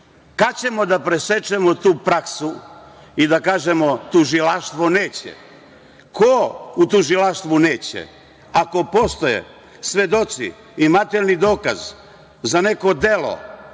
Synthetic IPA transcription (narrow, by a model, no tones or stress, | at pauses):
kat͡ɕe̞mo̞d̪apɾe̞se̞t͡ʃe̞mot̪uːpɾaksu | id̪akaːʒe̞mo̞t̪uʒilaʃt̪ʋoneːt͡ɕḛ | kʰout̪uʒilaʃt̪ʋuneːt͡ɕḛ | ako̞po̞st̪ojḛ | sʋe̞d̪o̞t̪sḭː | mat̪elnid̪o̞ːka̰z | zane̞ko̞d̪e̞lo̰